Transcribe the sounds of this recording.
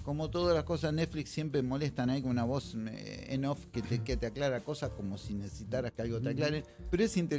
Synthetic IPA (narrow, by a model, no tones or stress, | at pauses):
ko̞mot̪oðalasko̞s̬asnet̪fliksːje̞mpɾemo̞lest̪anaikunaβo̞sḛnofkeeket̪eaklaɾako̞sasko̞mo̞sinese̥sit̪aɾaskealɣot̪eaklaɾepeɾoesint̪e